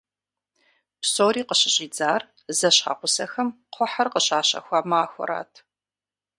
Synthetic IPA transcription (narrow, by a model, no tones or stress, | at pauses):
psoːɾiːqəɕɪɕʼiːd͡zaːr | zɐɕχa̰ːqʷʊsɐxɐmqʷʰɔħɐrqəɕaːɕɐ̰xʷaːmaːxʷɔ̰ɾa̰ːtʰ